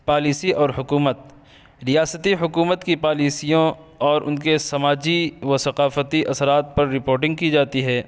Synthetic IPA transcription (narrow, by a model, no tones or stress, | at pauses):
paːliːsiʔɔːɾɦʊkuːmət̪̚ | ɾijaːsət̪iɦʊkuːmət̪kipaːliːsijõ | ɔːɾʔʊ̰nkesɐmaːd͡ʒiʋɐsɐqaːfət̪iʔɐsɾaːt̪̚pɐɾːɪpoːɾʈɪ̃ŋɡ̚kid͡ʒaːt̪iɦɛː